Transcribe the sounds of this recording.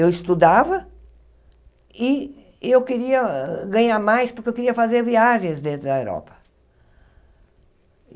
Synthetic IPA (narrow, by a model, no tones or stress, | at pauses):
ewɪst̪ud̪avɐ | ɪ | ewkɪɾiɐɡɐ̃ɲaɾmajspʊɾkewkeɾiɐfazeɾviaʒẽj̃zd̪ẽnt̪ɾʊd̪ɐewɾɔ̰pɐ̥